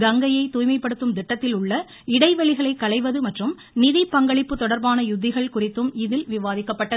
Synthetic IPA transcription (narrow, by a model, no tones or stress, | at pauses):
ɡɐŋɡɐjɐɪt̪uːjmɐɪpːɐɽɯt̪ːɯmd̪ɪʈːɐt̪ːɪlʊɭːɐ | ɪɽɐɪʋɐɭɪɣɐɭɐɪkːɐɭɐɪʋɐðɯmɐʈrɯm | nɪðipːɐŋɡɐɭɪpːɯt̪ɔɽɐɾbaːnɐjʊd̪ːɪɣɐɭkʊrɪt̪ːɯmɪðɪlʋɪʋaːðɪkːɐpːɐʈːɐɯ